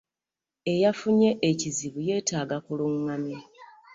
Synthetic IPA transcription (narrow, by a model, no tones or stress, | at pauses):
e̞jafuɲe̞ʔːciziβuje̞ːtaːɡakuluŋːamje